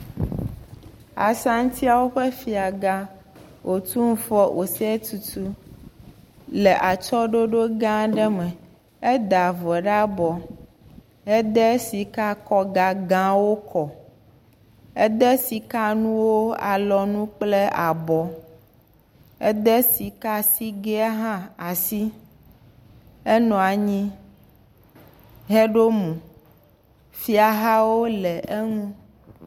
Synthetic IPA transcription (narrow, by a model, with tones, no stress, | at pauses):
a̰˨sa˦ŋ̩˦t̪ʰi˦a˨wo˦ɸe˦fi˨a˨ɡã˦ | wʔo˨t̪u˦ŋ̩˦fɔ˦ʔo˨sɛ˦t̪u˨t̪u˦ | lɛ˨ʔa˨t͡ʃɔ˦ɖo˦ɖo˦ɡã˦ɖɛ˦mɛ̃˨ | ɛ˦d̪a˨vɔ˨ɖa˦bɔ˨ | ɛ˦d̪ɛ˦si˨ka˦kɔ˦ɡa˨ɡã˦wo˦kʰɔ˨ | ɛ˦d̪ɛ˦si˨ka˦nũ˦wo˦a˨lɔ˨nũ˦k͡plɛ˦a˨bɔ˨ | ɛ˦d̪ɛ˦si˨ka˦si˦ɡe˦a˦ɦã˦a˨si˦ | ɛ˦nɔ̃˨a˨ɲĩ˦ | ɦɛ˦ɖo˦mũ˨ | fi˦a˨ɦa˦wo˦lɛ˨e˦ŋũ˦